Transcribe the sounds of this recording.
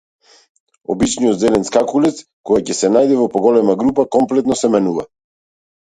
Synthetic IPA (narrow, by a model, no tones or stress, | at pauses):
ɔ̰bit͡ʃnijɔt̪zɛlɛnskakulɛt̪skɔjacɛsɛnajd̪ɛvɔpɔɡɔlɛmaɡɾupakɔmplɛt̪nɔsɛmɛnuva̰